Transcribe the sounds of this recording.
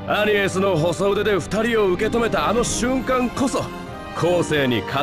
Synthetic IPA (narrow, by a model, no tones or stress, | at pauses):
aɲ̟iesɨno̞ɦo̞so̞ɯd̪e̞d̪e̞ɸɯ̟̥t̪aɾʲio̞ɯ̟ke̞t̪o̞me̞t̪aːno̞ɕɨ̃ŋkãŋko̞so̞ | kʰo̞ːse̞ːɲ̟ḭkʰa